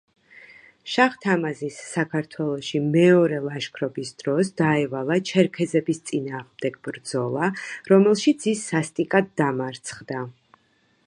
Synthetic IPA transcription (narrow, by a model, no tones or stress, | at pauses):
ʃaʁt̪ʰamazisːakʰaɾt̪ʰwɛlˠɔʃimɛɔɾɛlˠaʃkʰɾɔbisd̪̥ɾɔsd̪̥aɛvalˠat͡ʃʰɛɾkʰɛzɛbist̪sʼinaːʁmd̪ɛɡ̥̚bɾd̪zɔlˠaɾɔmɛlˠʃit̪sʰisːast̪ʼikʼad̪ːamaɾt̪sʰχd̪a